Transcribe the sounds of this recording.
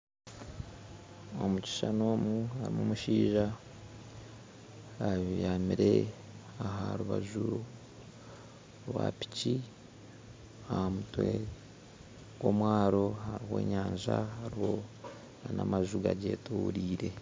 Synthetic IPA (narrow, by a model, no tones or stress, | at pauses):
omuci̥ʃanoːmuaɾimumuʃiːʒa | jjamiɾe | aɦaɾuβaʒu | ɾwapi̥ci | ahamutwe | ɡ̥o̞mwaːɾo̞haɾihe̞ːɲaːɲʒahaɾiho̞ | nanamaʒuɡaɟe̞ːtuːɾiːɾe̞